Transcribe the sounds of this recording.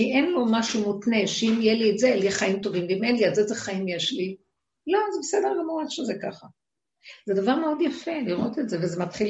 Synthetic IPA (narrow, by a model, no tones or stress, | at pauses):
iʔenlomaʃumut̪ne̞ʃeimijelietzeljeχaimt̪o̞vimlimenliazezeχaimjeʃli | lo̞azebesedelemuadʃezekaχa | z̥ed̪avaʁmeo̞djafe̞liʁo̞t̪etzevezemat̪χil